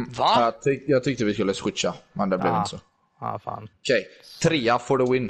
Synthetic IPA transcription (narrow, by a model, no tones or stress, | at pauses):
vaɑt̪ʰɪjɑːɡ̚t̪ʰʏk̚t̪əvɪskɵlːəsɧɪt͡ʃːamɛnd̪ɛblɛ̰vɪnt̪əsɔ | a̰fa̰ːnɔkʰɛjt̪ʰɾeːafɔɖəwɪn